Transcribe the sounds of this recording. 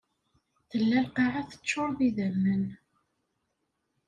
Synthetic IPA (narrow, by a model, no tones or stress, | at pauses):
θəlːælqɑʕaθə̥t͡sːʊɾˤðiðəmːən